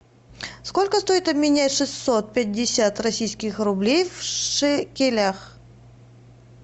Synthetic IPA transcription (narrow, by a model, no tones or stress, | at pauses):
sko̞lʲkəst̪o̞ɪt̪ɐbmʲɪnʲatʲʂɨsːot̪̚pʲɛt̚ʲdʲɪsʲat̪rɐsʲijskʲɪxɾʊblʲejvʂɨkʲɪlʲax